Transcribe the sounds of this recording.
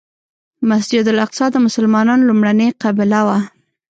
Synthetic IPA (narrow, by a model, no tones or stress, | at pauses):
masd͡ʒɪd̪ʊlaqsɑd̪əmʊsalmɑnɑnlumɽaneqɑbɪlawa